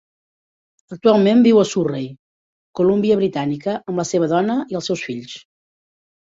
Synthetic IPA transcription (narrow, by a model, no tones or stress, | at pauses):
ək̚t̪ualˠmembiwəsurej | kulumbiəβɾit̪anikəʔəmləseβəðɔnəiəlˠsɛwsfiʎs